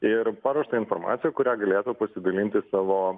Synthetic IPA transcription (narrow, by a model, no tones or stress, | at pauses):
ɪɾpɑːɾuːʃt̪ɐɪnformɑ̰ːt̪sʲɪjɛkʊɾʲæːɡɐlʲeːt̪upɐsʲɪd̪ɐlʲinʲt̪ʲɪsɑːʋoː